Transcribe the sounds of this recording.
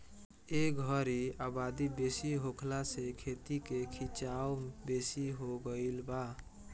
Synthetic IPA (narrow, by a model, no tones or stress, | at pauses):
eɡʱəɾiabad̪ibesiɦokʰlasekʰet̪ikekʰit͡ʃawbesiɦoɡəilba